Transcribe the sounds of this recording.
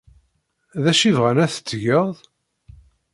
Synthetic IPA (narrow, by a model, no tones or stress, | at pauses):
ðæʃivʁænæθə̥t͡sːʝəʁðˤ